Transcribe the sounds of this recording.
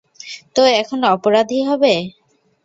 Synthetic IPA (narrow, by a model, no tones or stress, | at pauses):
t̪oɛkʰonoɔpoɾad̪ʱiɦɔbe